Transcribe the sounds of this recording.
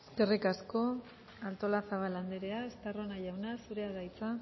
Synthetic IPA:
eske̞rikasko̞ | alt̪o̞lasaβaland̪eɾe̞aest̪aro̞naʝawnasuɾe̞aðajt͡sa

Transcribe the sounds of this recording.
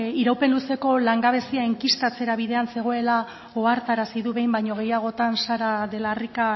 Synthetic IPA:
iɾawpe̞nluse̞ko̞laŋɡaβe̞siaeŋkist̪at͡se̞ɾaβ̞iðe̞anse̞ɣ̞o̞e̞la | oaɾt̪aɾasiðuβe̞jmbajɲo̞ɣ̞e̞jaɣ̞o̞t̪ansaɾaðe̞larika

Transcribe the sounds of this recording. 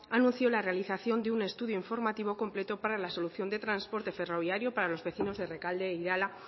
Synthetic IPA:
anũn̟θjo̞lare̞aliθaθjo̞nd̪eune̞st̪uðjoiɱfo̞ɾmat̪iβo̞ko̞mple̞t̪o̞paɾalaso̞luθjo̞nd̪e̞t̪ɾanspo̞ɾt̪e̞fe̞ro̞β̞jaɾjopaɾalo̞zβe̞θino̞zðe̞re̞kald̪e̞iɾala

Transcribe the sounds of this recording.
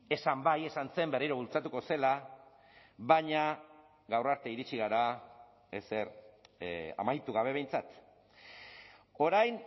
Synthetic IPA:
e̞sambaje̞sanse̞mbe̞riɾo̞βult͡sat̪uko̞se̞la | βaɲa | ɣawraɾt̪e̞iɾit͡ʃiɣaɾa | ese̞ɾ | a̰majt̪uɣaβe̞β̞e̞jnt͡sat̪ | o̞ɾajn

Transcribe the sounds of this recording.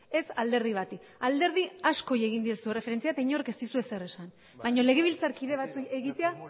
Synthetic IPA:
e̞sald̪e̞ɾð̞iβ̞at̪i | ald̪e̞ɾð̞iasko̞je̞ɣind̪iesuere̞feɾe̞nt͡siat̪aiɲo̞ɾrekest̪isue̞sere̞san | bajɲo̞le̞ɣ̞e̞β̞ilt͡saɾkiðe̞βat͡sueɣit̪e̞a

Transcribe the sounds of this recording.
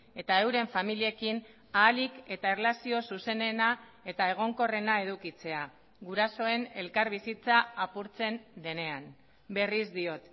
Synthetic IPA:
e̞t̪ae̞wɾe̞ɱfamilie̞kin | aːlike̞t̪aerlasio̞suse̞ne̞nae̞t̪ae̞ɣ̞o̞ŋko̞re̞nae̞ð̞ukit͡se̞a | ɡuɾaso̞e̞ne̞lkaɾβisit͡saːpuɾt͡se̞nd̪e̞ne̞an | be̞rizd̪io̞t̪

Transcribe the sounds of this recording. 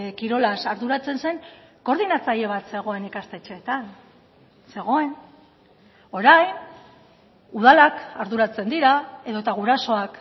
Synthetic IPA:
kiɾo̞lasaɾðuɾat͡se̞nse̞ŋko̞ɾðinat͡saʎe̞β̞at̪se̞ɣ̞o̞e̞nikast̪e̞t͡ʃe̞ːt̪an | se̞ɣ̞o̞e̞n | o̞ɾajn | uð̞alakaɾðuɾat͡se̞nd̪iɾae̞ðo̞et̪aɣ̞uɾaso̞ak

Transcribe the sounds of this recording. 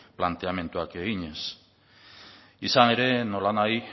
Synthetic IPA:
plant̪e̞ame̞nt̪uake̞ɣiɲe̞s | isane̞ɾe̞no̞lanaj

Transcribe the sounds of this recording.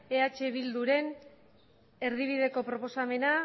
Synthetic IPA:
e̞at͡ʃe̞βild̪uɾe̞n | e̞ɾðiβ̞ið̞e̞ko̞pɾo̞po̞same̞na

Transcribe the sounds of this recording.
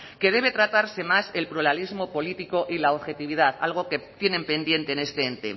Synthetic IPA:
ke̞ð̞e̞β̞e̞t̪ɾat̪aɾse̞mase̞lpɾulalizmo̞po̞lit̪iko̞ʔilaoβxe̞t̪iβ̞ið̞aθa̰lɣo̞ke̞t̪je̞nẽ̞mpe̞nd̪je̞nt̪eːne̞st̪eent̪ḛ

